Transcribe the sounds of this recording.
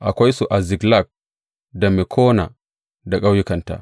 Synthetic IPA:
ʔa˨kʷa˦jsu˨ʔa˨zi˨ɡla˨k̚ | da˨mɛ˨kʰɔː˦na̰˨ | da˨kʼa˦wji˦ka˨nta̰˨

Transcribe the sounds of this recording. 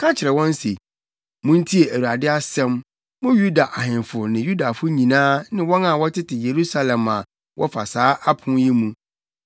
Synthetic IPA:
kʰã˦t͡ɕʰɪ˨ɾɛ˨wɔ̃˦n˦se˨ | mʊ̃˦n̩˦tʰi˦e˨æ˨u˨a˨dɪ˦a˦sɛ̃˦m | mʊ̃˦ju˦da˨ʔa˨ɦɪ̃˨nfʊ˨nɪ̃˨ju˦da˨fʊ˦ɲĩ˨nãː˦nɪ̃˦wɔ̃˦nã˨wɔ˦tʰɪ˦tɪ˨je˨ɾu˦sa˦lɛ̃˨ma˨ | wʔɔ˦fa̰˨saː˦ʔa˦pʰʊ̃˦ji˦mũ˦

